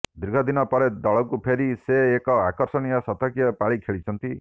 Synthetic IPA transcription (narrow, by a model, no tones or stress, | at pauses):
d̪ɾɡʱɔd̪inɔpɔɾed̪ɔɭɔkupʰeɾiseːkɔakɔɾsɔniɔsɔt̪ɔkjɔpaɭikʰeɭit͡ʃʰɔnt̪i